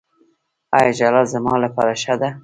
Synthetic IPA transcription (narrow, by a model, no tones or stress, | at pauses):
ajɑd͡ʒalazamɑlapɑɾaʃad̪a